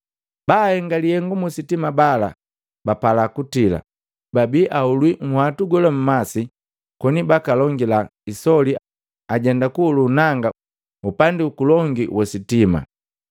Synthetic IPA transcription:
bahɛŋɡalihɛŋɡumusitimabala | bapalakutila̰ | babiʔaulwiŋ̩hwatuɡɔlɔm̩masi | kɔnibakalɔŋɡilaisɔli | aɟɛndakuːlunaŋɡa | upandiukulɔŋɡiwʔɔsitima̰

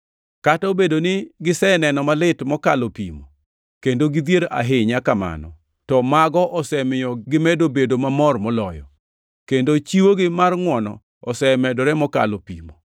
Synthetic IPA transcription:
kataobedonɪɡɪsɛnɛnɔmalɪtmɔkalopḭmo | kendoɡɪd̪jeɾa̰ɦɪɲakama̰nɔ̰ | tɔmaɡɔʔɔsɛmɪjɔɡɪmɛdobedomamɔrmɔlɔjɔ̰ | kendot͡ʃiwoɡɪmarŋwɔnɔ̰ | ɔsɛmɛdɔɾɛmɔka̰lopḭmo

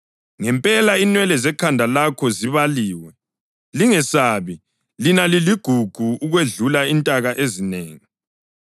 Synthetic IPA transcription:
ŋɛmpʼɛlainwɛlɛzɛkʰandʱalakʰɔziβaliːwɛ | liŋɛsaːβi | linaliliɡ̥ʱuɡ̥ʱuuɣweɮulaintʼaɣaʔezineːŋi

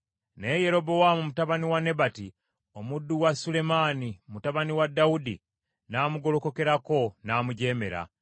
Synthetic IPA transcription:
ne̞je̞ɾo̞bo̞wamumutaβaniwane̞bati | omudːuwasule̞maːnimutaβaniwadːaudi | naːmuɡo̞lo̞ko̞ke̞ɾako̞naːmuɟe̞ːme̞̰ɾa̰

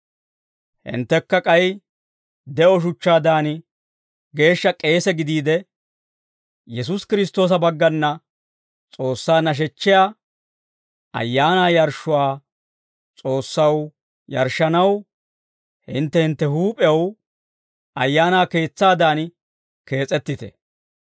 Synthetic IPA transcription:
hɪ̰nt̪ːɛkːɐkʼɐj | d̪ɛʔɔʃ̬ʊt͡ʃːaːd̪aːn | ɡe̞ːʃːɐkʼe̞ːsɛɡɪd̪iːd̪ɛ | jɛs̬ʊskɪɾɪst̪ːo̞ːs̬ɐbɐɡːɐnːɐ | t͡sʼo̞ːsːaːnɐʃ̬ɛt͡ʃːɪja | ʔɐ̰jːaːnaːjɐɾʃʊwaː | t͡sʼo̞ːsːɐw | jɐ̰ɾʃːɐnɐw | hɪnt̪ːɛhɪnt̪ːɛɦuːpʼɛjɐw | ɐjːaːnaːke̞ːt͡sːaːd̪aːn | ke̞ːt͡sʼɛt̪ːɪt̪ɛ̰

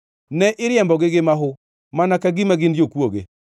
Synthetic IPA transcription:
nɛʔɪɾjɛmbɔɡɪɡɪmaɦʊ | manakaɡimaɡɪnd͡ʒokwoɡḛ

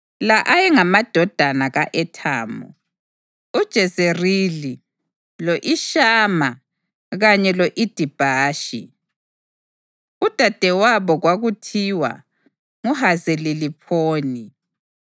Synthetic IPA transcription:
laʔajɛŋamad̥ʱɔd̥ʱanaɣaʔɛtʰa̰ːmɔ̰ | ud̥ʒ̥ʱɛzerili | loʔiʃaːma | ɣaɲɛloʔid̥ʱib̥ʱaːʃḭ | ud̥ʱad̥ʱɛwaβɔɣwaɣutʰiwa̰ | ŋuhazelilipʰoːni

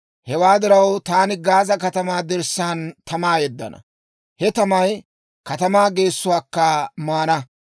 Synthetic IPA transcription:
hɛwaːd̪ɪɾɐwt̪aːnɪɡaːzɐkɐt̪ɐmaːd̪ɛɾsːaːnt̪ɐmaːjɛd̪ːɐ̰nɐ̰ | hɛt̪ɐmɐj | kɐt̪ɐmaːɡe̞ːsːʊwaːkːɐmaːnɐ

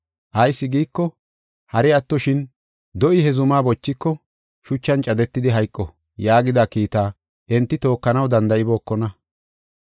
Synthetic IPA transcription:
ʔɐjsːɪɡiːkːɔ | hɐɾɪɐt̪ːɔʃɪn | d̪ɔʔɪhɛzʊmaːbɔt͡ʃːɪkːɔ | ʃʊt͡ʃːɐnt͡ʃʼɐd̪ɛt̪ːɪd̪ɪɦɐjkʼːɔ | jaːɡɪd̪akiːt̪aː | ʔɛnt̪ːɪt̪o̞ːkːɐnɐwd̪ɐnd̪ɐʔɪbo̞ːkːɔnɐ

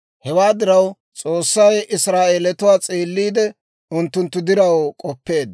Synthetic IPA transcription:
hɛwaːd̪ɪɾɐw | t͡sʼo̞ːsːɐjɪsɾaːʔeːlɛt̪ʊwaːt͡sʼiːlːiːd̪ɛ | ʊnt̪ːʊnt̪ːʊd̪ɪɾɐwkʼɔpːe̞ːd̪

